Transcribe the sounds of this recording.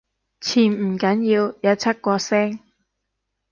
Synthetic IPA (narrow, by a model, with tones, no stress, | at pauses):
t͡sʰiː˨˩nm̩˨˩kɐ˨˥njiː˧wjɐ˧˥t͡sʰɐ˥t̚kʷɔː˧sɛː˥ŋ